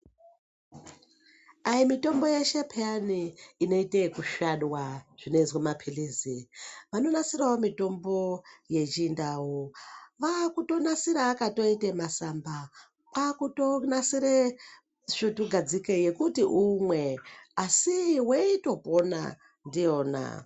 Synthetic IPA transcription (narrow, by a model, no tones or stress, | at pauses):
ajimito̞mbo̞jeʃe̞pʰeaniːno̞itekuʃaɗwaʐ̥ineizwamapʰiliːziʋano̞nasiɾawomito̞mbo̞je̞t͡ʃindawoʋakuto̞nasiɾaːkato̞itemasamba | kakutonasiɾe | ʃutuɡʱad͡zikeje̞kutiʔumwe̞asiweito̞po̞na̰ | ndijo̞ːna̰